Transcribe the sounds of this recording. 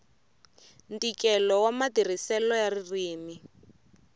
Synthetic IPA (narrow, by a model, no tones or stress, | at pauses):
ntikɛlɔwamadir̤isɛlɔjaririːmi